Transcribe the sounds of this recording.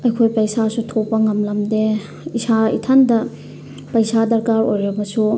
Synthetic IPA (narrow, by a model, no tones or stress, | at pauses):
ɐjkʰojpɐjsasutʰopːɐŋɐmlɐmde | isaḭtʰandɐ | pɐjsadɐɾkaɾojɾɐbɐsu